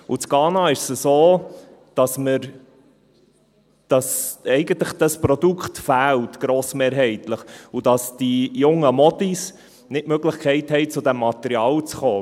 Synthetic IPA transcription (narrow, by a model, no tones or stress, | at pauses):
ut͡sɡ̥ɑːnɑɪʃsəsoː | d̥ɑsməɾ | d̥ɑsɛɪɡəntləχd̥ɑspɾɔd̥ukχtfæːltɡ̥ɾoːsmeːɾɦɛɪtləχud̥ɑsd̥ijʊŋːəmɔdis | nɪtmøɡləχkʰɛɪthɛɪt͡sʊdɛmːɑt̪ɛɾiɑːlt͡sχoː